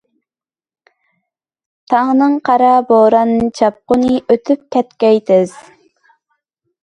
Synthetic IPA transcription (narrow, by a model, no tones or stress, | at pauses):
t̪ʰɑʁnɨŋqʰɑɾɑboɾɑnd͡ʒɑp̚qʊnɨʔøt̪ʰyp̚kʲɛt̪kʲɛjt̪ʰɪz̥